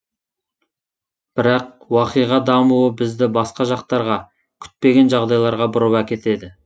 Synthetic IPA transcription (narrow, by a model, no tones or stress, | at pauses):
b̥ɪɾɑq̚ | wɑqijʁɑd̪ɑmuwəbɪzd̪ɪbɑsqɑʒɑqt̪ɑɾʁɑ | kʲʰʏ̥t̪̚pe̞ɡʲe̞nʒɑʁd̪ɑjlˠɑɾʁɑbʊɾəwækʲe̞t̪e̞d̪ɪ